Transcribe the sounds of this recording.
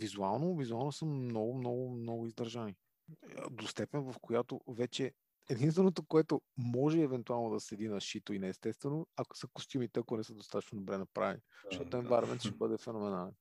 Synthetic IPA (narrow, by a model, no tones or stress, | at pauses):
vizualˠnovizualˠnosəmnɔɡʊmnɔɡʊmnɔɡʊizd̪ɐɾʒanḭ | d̪ost̪ɛpɛnvɐfkojat̪ovɛt͡ʃɛ | ɛd̪inst̪vɛnot̪okoɛt̪omɔʒɛɛvɛnt̪ualˠnod̪ɐsɛd̪inɐʃit̪oinɛːst̪ɛst̪vɛnoɐko̥səkʊst̪ʲimit̪ɛɐkonɛsəd̪ost̪at̪ə̥t͡ʃnod̪obɾɛnɐpɾa̰vɛ̰ni̥t̪ɔt̪ːɛnvaɾɐmɛnt̪ʃɛbɤd̪ɛfɛnomɛnalɛn